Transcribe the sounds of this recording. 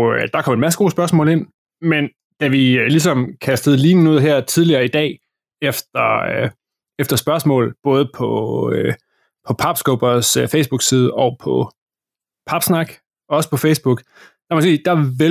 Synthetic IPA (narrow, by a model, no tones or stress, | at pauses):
ød̥ɑ̈kʰɒ̽m̰enmæs̬əɡ̥o̝ːsb̥ɶɐs̬mɔ̰̽ːle̝n̰ | men | d̥æʋiølis̬ɒ̽mkʰæsd̥əð̞̩ˠliːnn̩uð̰ˠɦæɐ̰t͡sʰið̞ˠliɐːid̥ɛ̰ː | efd̥ɐ | efd̥ɐsb̥ɶɐsmɔ̰̽ːl̩b̥ɔ̽ːð̞ˠəpʰɒ | pʰɒ̽pʰɑ̈b̥sɡ̥ob̥ɐsøfeɪsb̥uɡ̥siːð̞ˠəɒ̽pʰɒ̽ | pʰɑ̈b̥snɑ̈ɡ̥ | ɒ̽ɒ̽sə̥pʰɒ̽feɪsb̥uɡ̥ | d̥ɑ̈mɒ̽siːd̥ɑ̈ʋe